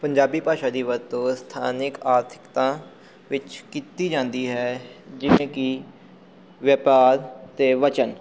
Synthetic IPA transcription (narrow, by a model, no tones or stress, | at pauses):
pəɲd͡ʒaːbiːpaːʃaːd̪iːʋəɾt̪õːst̪ʰa̰ːnɪkaːɾt̪ʰɪ̥kt̪ãː | ʋɪt͡ʃkiːt̪iːd͡ʒãːnd̪iːɦɛːd͡ʒɪʋẽːkɪ | ʋjəpaːɾt̪eːʋət͡ʃən